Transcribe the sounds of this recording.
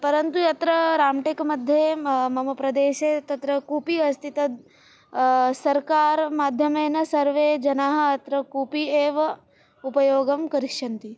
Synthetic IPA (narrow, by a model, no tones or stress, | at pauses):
pɐɾɐnt̪ujɐt̪ɾɐɾaːmʈekmɐd̪ʱjemɐmɐpɾɐd̪eːʃeːt̪ɐt̪ɾɐkuːpiɐst̪ʰit̪ɐd̪̚ | sɐɾkaːɾmaːd̪ʱjɐmeːnɐsɐɾʋeːd͡ʒɐnaːɦɐ̆ɐt̪ɾɐkuːpieːʋɐ | upɐjoːɡɐmkɐɾikʂɐnt̪i